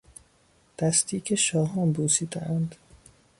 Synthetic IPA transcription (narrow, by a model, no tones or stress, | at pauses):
d̪̥æst̪iːcʰeʃɒːɦɒːnbuːsiːd̪ḛʔænd̪